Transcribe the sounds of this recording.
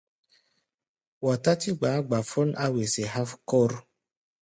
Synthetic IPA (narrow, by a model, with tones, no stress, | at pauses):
wɔ˨ta˦ti˦ɡ͡ba˨˦ɡ͡ba˨fɔ˦nʔa˦we˨se˨ɦa˦fkɔ˦ɾ